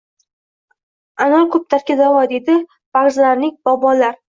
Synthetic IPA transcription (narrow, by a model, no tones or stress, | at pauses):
anɒlˠkʰɵp̚t̪ʰaɾkʲad̪avɒd̪e̞d̪ɪ | b̥aʁzlaɾnɪŋʲbɒbɒlaɾ